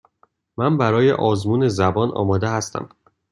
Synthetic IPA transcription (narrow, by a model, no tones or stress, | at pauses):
mæmbæɾɒːjḛʔɒːzmuːne̞zæbɒːnɒ̰ːmɒːd̪ehæst̪ʰæ̰m